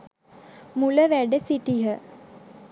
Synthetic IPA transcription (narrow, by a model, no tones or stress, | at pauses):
muləʋæɖəsiʈiɦə